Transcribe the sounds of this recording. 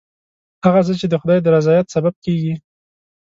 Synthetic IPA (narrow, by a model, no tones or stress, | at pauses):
haɣat͡sət͡ʃed̪əxʊd̪ɑjd̪əɾazɑjat̪sabab̚keɡi